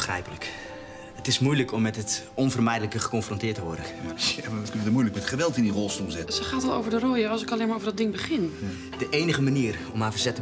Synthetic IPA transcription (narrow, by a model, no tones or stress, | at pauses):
xrɛ̰jpələk | ətɪsmujləkʰɔmːɛtətɔnvərmɛjdələkəχəkɔnfrɔ̃ntɪːətəʋɔrdə | kønəəmujləkmɛtχəʋɛlˠtɪndirɔlˠstumzɪtsəχaːtɔlˠo̰ːvəɹdərojəɑlˠsɪkalejnmaɹoːvɹdɔdɪŋbəχɪn | d̥əʔeːnəɣəmaniːər | ɔmavərzɛtə